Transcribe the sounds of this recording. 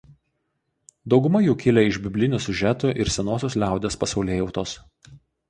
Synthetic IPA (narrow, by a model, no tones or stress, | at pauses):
d̪ɒʊɡʊmɐjuːkʲɪlʲɛɪʒʲbʲɪbʲlʲɪnʲʊːsʲʊʒʲɛt̪uʔɪɾsʲɛnoːsʲoːslʲæˑʊd̪ʲeːspɐsɒʊlʲeːjɛʊt̪oːs